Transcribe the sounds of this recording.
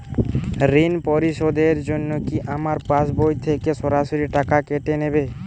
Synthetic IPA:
ɾinpɔɾiʃod̪eɾd͡ʑonːokiʔamaɾpasbojt̪ʰekeʃɔɾaʃoɾiʈakakeʈenebe

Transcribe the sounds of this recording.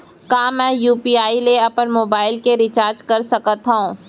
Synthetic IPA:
kaːmɛ̃ːjuːpiːaːileɐpənmoːbaːɪlkeɾɪt͡ʃaːɾd͡ʒkɐɾsɐkət̪ɦaɦũː

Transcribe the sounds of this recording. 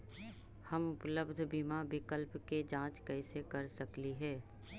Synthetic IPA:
həmʊpləbd̪ʱbimabɪkəlpked͡ʒãːt͡ʃkɐɪsekɐɾsɐkliɦɛː

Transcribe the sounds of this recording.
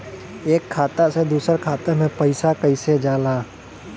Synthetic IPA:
eːkʰːaːt̪ased̪uːsəɾkʰaːt̪emẽpəɪsakəɪsed͡ʒaːlaː

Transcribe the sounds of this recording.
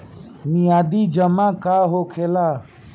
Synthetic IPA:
nijad̪id͡ʒəmakaːɦokʰeːlaː

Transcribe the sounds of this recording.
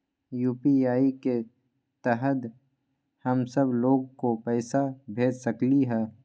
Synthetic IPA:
juːpiaːike | t̪ɛɦət̪ | hɐmsəbloːɡkopɛːɪsabʱeːd͡ʒsəkliɦɛː

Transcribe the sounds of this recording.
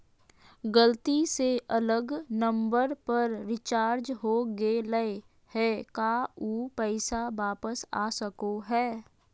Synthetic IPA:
ɡəlt̪iseʔɐləɡnə̃mbəɾpəɾɾɪt͡ʃaːɾd͡ʒɦoɡeləe | hɛːkauːpɛɪsaʋaːpəsa̰ːsəkoɦɛː

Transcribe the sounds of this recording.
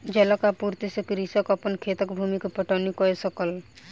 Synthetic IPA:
d͡ʒɛlɔkapuɾt̪isekɾisɔkɔpənkʰet̪ɔkbʱumikpɔʈɔnikɔesɔkɔl

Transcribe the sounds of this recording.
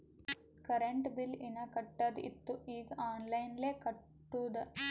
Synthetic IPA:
kɐɾeɳʈbilinɐkɐʈːɐd̪ḭt̪ːuiːɡɐaːnlɐjnleːkɐʈːuːd̪ɐ

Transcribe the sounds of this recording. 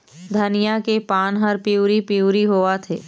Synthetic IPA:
d̪ʱɐnɪjakepaːnɦəɾpiuːɾipiuːɾiɦoːat̪ʰeː

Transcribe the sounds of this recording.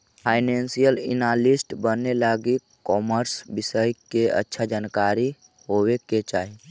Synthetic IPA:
pʰaɪneːnsijəlɪ̰nalisʈbənːelaːɡi | kɔːməɾsbɪsəjkeə̰tːʃʰad͡ʒaːnkaːɾi | ɦoweket͡ʃaːɦi

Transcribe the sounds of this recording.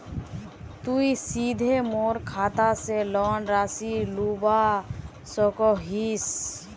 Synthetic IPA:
t̪uisiːd̪ʱemoːɾkʰaːt̪aselɔːnɾaːsiluba | sɔkɔɦis

